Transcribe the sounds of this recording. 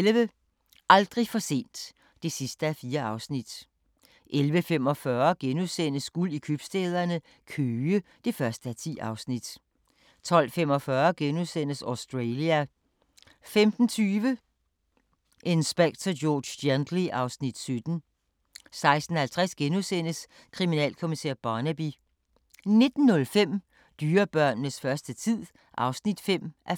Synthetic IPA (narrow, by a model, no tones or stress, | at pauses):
elʋə | ʔɑ̈ld̥ʁifɒ̽se̝̰ːnd̥ː | e̝sisd̥əæfiːɐɑ̈ʊsnid̥ | ʔelʋəfemɒ̽fɶːɐɡ̥enuðˠsen̰əsɡ̥ulikʰøb̥sd̥eð̞ˠɐnə | kʰøːə | d̥e̝fɶɐsd̥əæt͡sʰḭːʔɑ̈ʊsnid̥ | t͡sʰɒ̽l̰femɒ̽fɶːɐɡ̥enuðˠsen̰əsɒʊsd̥ʁeliæ | femd̥n̩t͡sʰyːʋə | ʔe̝nsb̥eɡ̥̚t͡sʰɐ̥jɔːd̥end̥liʔɑ̈ʊsnid̥sød̥n̩ | sɑ̈ɪsd̥n̩hælt͡sʰʁɛsɡ̥enusen̰əs | kʰʁiminɛ̰ːlkʰo̝misḛːɐb̥ɑːnæb̥i | ne̝d̥n̩ːɔ̽lfem̰ | d̥yːɐb̥ɶɐ̰nːəsfɶɐsd̥ət͡sʰið̰ˠ | ʔɑ̈ʊsnid̥fem̰ʔæɐ